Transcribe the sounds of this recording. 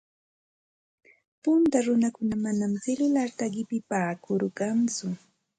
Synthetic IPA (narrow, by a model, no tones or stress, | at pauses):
pʊnt̪aɾʊnakʊnamanamt͡sɪlʊlaɾt̪aɢɪpɪpaːkʊɾɢɑnt͡sʊ